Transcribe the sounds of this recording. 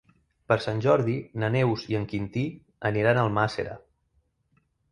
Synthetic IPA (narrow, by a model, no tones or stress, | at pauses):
pəɾsanʲʒɔɾðinənewziəŋkint̪i | əniɾanəlˠmasḛɾə̰